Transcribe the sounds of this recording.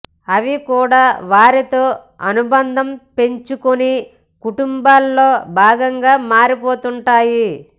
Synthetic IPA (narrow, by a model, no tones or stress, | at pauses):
ɐʋikuːɽaːʋaːɾit̪o̞ː | ɐnubɐnd̪ʱɐmpe̞ɲt͡ʃukoni | kuʈumbaːlːo̞ːbʱaːɡɐŋɡaːmaːɾipoːt̪uɳʈaːji